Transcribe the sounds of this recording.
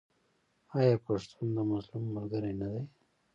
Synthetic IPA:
ajapaʂt̪ʰund̪əmazlumːalɡəɾajnad̪aj

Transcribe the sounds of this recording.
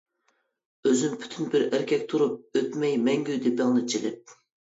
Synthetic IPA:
øzympʰy̥t̪ʰynbɪɾæɾkʲʰɛkʲt̪ʰuɾup̚øt̪mɛjmɛŋɡʲyd̪ɪbæŋnɨt͡ʃʰilɪp̚

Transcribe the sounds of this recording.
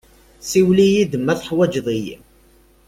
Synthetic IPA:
siwlijid̪əmːæθħwæd͡ʒðˤijḭ

